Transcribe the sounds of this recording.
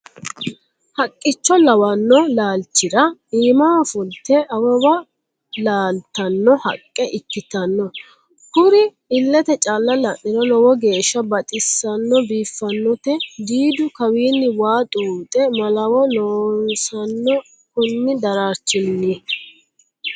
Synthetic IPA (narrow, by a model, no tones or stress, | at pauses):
hɐkʼːɪt͡ʃːɔlɐwɐnːɔlaːlt͡ʃːɪɾɐiːmaːfʊlt̪ɛʔɐwɔbɐ | laːlt̪ɐnːɔhɐ̰kʼːɛʔɪkːɪt̪ɐnːɔ | kʊɾɪ | ɪlːɛt̪ɛt͡ʃʼaːlːɐlɐʔɪnɔlɔwɔɡe̞ːʃːɐbɐt̪ʼɪsːɐnːɔbiːfːɐnːɔt̪ɛd̪iːd̪ʊkɐwiːnːɪwaːt̪ʼuːt̪ʼɛmɐlɐwɔlɔːnsɐnːɔ | kʊnːɪd̪ɐɾaːɾt͡ʃːɪnːɪ